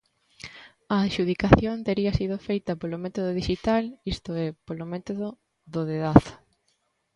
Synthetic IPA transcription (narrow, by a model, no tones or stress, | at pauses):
ɐːʃuðikaθjont̪eɾiɐsið̞ofejt̪ɐpolomɛt̪oðoðiʃit̪alist̪oɛpolomɛt̪oðo | ðoðeðaθ